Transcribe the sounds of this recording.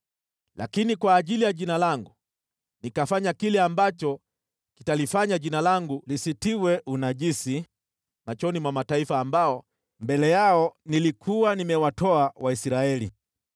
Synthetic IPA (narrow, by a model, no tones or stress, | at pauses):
la̰kinikwaːʄilijaʄinalaŋɡu | nikafaɲakilɛambat͡ʃɔ | kitalifaɲaʄinalaŋɡulisitiwɛʔunaʄisi | mat͡ʃɔnimwamataifaːmbaɔ | mbɛlɛjaɔnilikʰuwanimɛwatɔawʔaisɾaɛlḭ